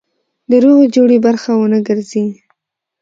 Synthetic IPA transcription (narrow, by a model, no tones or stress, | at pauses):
d̪əɾoɣd͡ʒoɽibaɾxawənəɡəɾzi